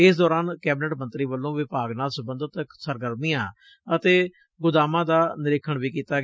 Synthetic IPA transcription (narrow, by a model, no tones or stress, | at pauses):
ɪsd̪ɔːɾaːnkɛːbɪnəʈmənt̪ɾiːʋəlːõːʋɪpaːɡnaːlsʊbənd̪ət̪əksəɾɡəɾmijãː | ət̪eː | ɡʊd̪aːmãːd̪aːnɪɾɪkʰːəɳʋiːkiːt̪aːɡ